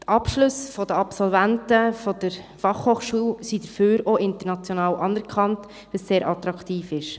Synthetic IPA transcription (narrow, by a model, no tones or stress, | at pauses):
tɑpʃlʊsfɔd̥əɑpsɔlvæntəfɔd̥əɾ | fɑχhoːχʃuːwsid̥əɾføːɾoʔɪntəɾnɑt͡sjonɑːwʔɑnɛɾkʰχɑnt | ʋəsseːɾʔɑtɾɑktiːfɪʃ